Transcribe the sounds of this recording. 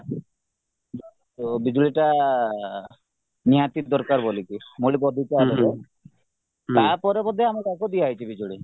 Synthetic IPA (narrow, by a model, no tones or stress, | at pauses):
d͡ʒɔ | ubid͡ʒuɭiʈa | niɦat̪id̪ɔɾkaɾbolikimoɭibɔd̪ʱikaele | t̪aɾpɔɾebɔd̪ʱeamɔɾakɔd̪ijaɦjt͡ʃʰibid͡ʒuɭi